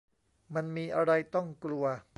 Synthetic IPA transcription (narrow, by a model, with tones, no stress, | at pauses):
ma˧nmiː˧ʔa˧ɾa˧jt̪ɔ˥˩ŋklu˧ɐ